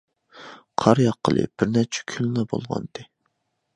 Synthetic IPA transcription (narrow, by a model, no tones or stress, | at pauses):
qʰɑɾjɑqʰːəlˠɨ̰b̥ɪɾnæɾt͡ʃʰɛ̥kʲʰylnɑbo̰lˠʁɑ̰nd̪ɨ